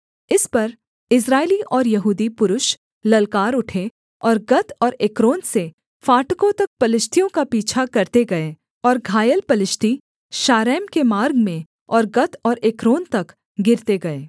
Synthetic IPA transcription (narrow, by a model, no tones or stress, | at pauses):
ɪspɐɾ | ɪs̬ɾaːeliʔɔːɾjɐɦuːd̪ipʊɾʊʃ | lɐlkaːɾʊʈʰe | ɔːɾɡɐt̪ɔːɾeːkɾoːnse | faːʈkõt̪ɐk̚pɐlɪʃt̪ʰijõkapiːt͡ʃʰakɐɾt̪eɡɐe | ɔːɾɡʱaːjəlpɐlɪʃt̪ʰi | ʃaːɾɛːmkemaːɾɡmẽ | ɔːɾɡɐt̪ɔːɾeːkɾoːnt̪ɐk | ɡɪɾt̪eɡɐeː